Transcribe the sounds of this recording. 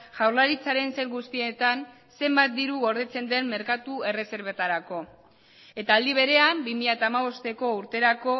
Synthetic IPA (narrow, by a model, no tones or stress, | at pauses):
ʝawɾlaɾit͡saɾe̞nse̞lɣust̪ie̞t̪an | se̞mbat̪̚d̪iɾuɣo̞ɾð̞e̞t͡se̞nd̪e̞mme̞ɾkat̪ue̞re̞se̞ɾβ̞e̞t̪aɾako̞ | e̞t̪aːld̪iβ̞e̞ɾe̞ambimiʎat̪aːmaβ̞o̞st̪e̞ko̞uɾt̪e̞ɾako̞